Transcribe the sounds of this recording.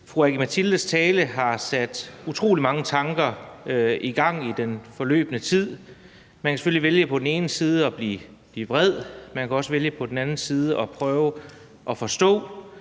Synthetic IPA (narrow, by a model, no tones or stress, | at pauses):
fʁuæɡ̥imæt͡sʰild̥əst͡sʰɛːləɦɑ̈sæd̥ut͡sʰʁo̝̰ːlimɑ̈ŋət͡sʰɑ̈ŋɡ̥ɐ | iɡ̥ɑ̈ŋ̰id̥enfɒ̽lø̰ːb̥nət͡sʰið̰ˠ | mænkæse̥føliʋeljəpʰɒ̽d̥en̩e̝ːnəsiːð̞ˠəɒ̽b̥lḭːb̥liːb̥ʁɛð̞̰ˠmænkʰæɒ̽səʋeljəpʰɒ̽d̥en̩ænn̩siːð̞ˠəʔɒ̽pʰʁœːʊ | ʔɒ̽fɒ̽sd̥ɔ̰̽ː